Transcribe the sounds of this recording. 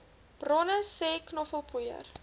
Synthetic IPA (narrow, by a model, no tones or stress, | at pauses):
b̥rɔnəsɛːknɔfəlˠpujə̰r